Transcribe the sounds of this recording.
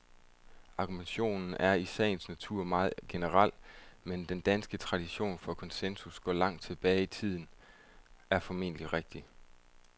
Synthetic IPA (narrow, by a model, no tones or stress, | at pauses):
ɑ̈ɡ̥umenɕo̝̰ːnn̩æɐisɛ̰ːnsnæt͡sʰuɐ̰mɑ̈ːð̩ˠɡ̥e̝nəʁɑl̰mend̥end̥ænsɡ̥ət͡sʰʁɑ̈ɾ̥iɕo̝̰ːnfɒ̽kʰɒ̽nsensusɡ̥ɒ̰ːlɑ̈ŋ̰d̥̚t͡sʰe̝b̥ɛːɪit͡sʰið̰ˠn̩ | æɐfɒ̽me̝̰n̰əliʁeɡ̥̚d̥i